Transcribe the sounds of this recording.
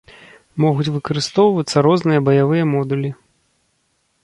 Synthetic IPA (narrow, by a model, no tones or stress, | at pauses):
mɔɣut͡sʲvɨkɐɾɨst̪ɔwvɐt̪sːɐɾɔznɨjɐbɐjavɨjɐmɔd̪ulʲi